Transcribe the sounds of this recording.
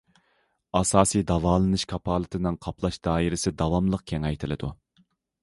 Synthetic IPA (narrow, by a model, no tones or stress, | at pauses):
ɑsɑːsijd̪ɑvɑːlˠɨnɨʃkʰɑpʰɑːlˠɨt̪ʰɨnɨŋqʰɑpʰlˠɑʃd̪̥ɑːiɾɪsɪd̪ɑwɑmlˠəq̚kʲʰɛŋɛjt̪ʰɪlɪd̪u